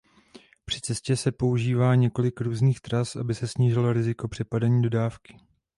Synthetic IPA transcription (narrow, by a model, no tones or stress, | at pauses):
pr̝̥ɪt͡sɛscɛsɛpo̞uʒiːvaːɲɛko̞lɪkɾuːzniːxt̪ɾasʔabɪsɛsɲiːʒɪloɾɪzɪko̞pr̝̥ɛpadaɲiːdo̞daːfkɪ̥